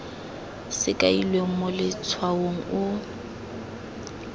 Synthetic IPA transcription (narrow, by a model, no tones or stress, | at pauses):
sɪkʼailweŋ̩mɔlɪt͡sʰwawoŋ̩ʊ